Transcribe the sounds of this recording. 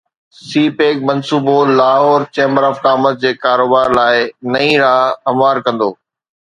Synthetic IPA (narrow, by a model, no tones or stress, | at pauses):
siːpeːk̚mɐ̃nsuːbolaːɦoːɾt͡ɕẽːmbəɾɔfkaːmət̪̚d͡ʑeːkaːɾoːbaːɾlaːɪnɐĩɾaːɐmwaːɾkɐ̃nd̪oː